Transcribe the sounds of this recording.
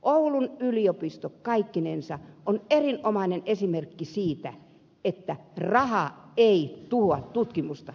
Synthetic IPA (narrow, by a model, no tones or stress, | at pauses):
ʔoulunyliopist̪okkɑikːinensɑonerinʔomɑinenʔesimerkːisiːt̪æ | et̪ːærɑhɑeit̪uhoɑt̪t̪ut̪kimust̪ɑ